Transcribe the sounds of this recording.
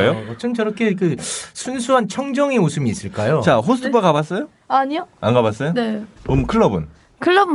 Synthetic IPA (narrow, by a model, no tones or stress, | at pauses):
jot͡ɕʰɯnt͡ɕʌɾʌkʰekɯsʰunsʰuɦant͡ɕʰʌŋd͡ʑʌŋemosʰɯmiːs͈ɯɭk͈ajot͡ɕaɦosʰɯtʰubakabas͈ʌjo | aɲioanɡabas͈ʌjoneʌmkʰɯɭːʌbɯn | kʰɯɭːʌb